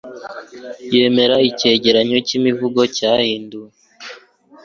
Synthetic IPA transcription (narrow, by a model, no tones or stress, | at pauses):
je̞ːme̞ɾaice̞ːɟe̞ɾaɲo̞cimivuɡo̞cahiːndue